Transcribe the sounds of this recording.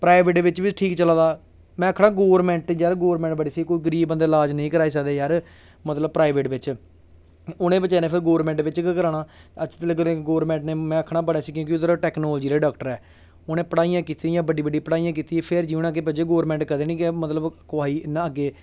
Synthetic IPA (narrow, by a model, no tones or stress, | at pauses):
pɾaːɪʋeːʈːʋɪt͡ʃʋiʈʰiːkt͡ʃəlãːd̪aː | mɛ̃ːəkʰːɽaːɡoːʋɾmɛ̃ːɳʈːd͡ʒaɾɡoːʋəɾmɛ̃ːɳʈbəɽiːsiːkoːiːɡəɾiːbbənd̪eːlaːd͡ʒnəĩːkəɾaːiːs̬əkd̪eːjəɾ | mət̪ləb̚pɾaːɪʋeːʈʋɪt͡ʃ | oːnẽːbət͡ʃaːnẽːpʰɪɾɡoːəɾmɛ̃ːɳʈʋɪt͡ʃkkəɾaːnãːət͡ʃʰːt̪ələɡənẽɡoːʋəɾmɛ̃ːɳʈneːmɛ̃ːəkʰɽaːbəɽeːsiːk̬jõːkɪʊd̪əɾʈɛːknɔːld͡ʒiːɾeːɖaːkʈəɾɛː | oːnẽːpəɽaːijãːkiːt̪iːjãːbəɖiːbəɖiːpəɽaːijãːk̬iːt̪iːpʰɪɾd͡ʒiːnãːɡeːp̬ɛːd͡ʒeːɡoːəɾmɛ̃ːɳʈkəd̪eːnĩːkemət̪ləbkʊaːiːnaəɡeː